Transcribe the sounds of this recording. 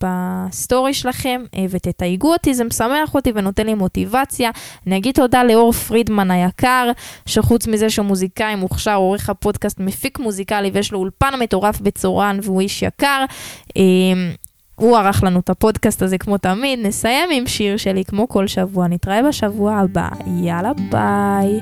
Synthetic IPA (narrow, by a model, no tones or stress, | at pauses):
b̥asto̞ʁiʃelaχe̞mvet̪etajɡuotizemsameaχo̞t̪ive̞no̞te̞nlimo̞t̪ivat͡sjaaniaɡid̪̚to̞daleo̞ʁfʁidmanajakaʁʃeχut͡smize̞ʃeumuzikaimuχʃaʁoʁeχhapo̞d̪kast̪mefikmuzikalivejeʃloulpanmet̪o̞ʁafbe̞t͡soʁanveuiʃja̰kaʁem | uaʁaχlanut̪apo̞dkastazekmo̞tamid̪ne̞saje̞mimʃiʁʃe̞likmo̞ko̞lʃavuanit̪ʁaebaʃavuaːba̰jalabaj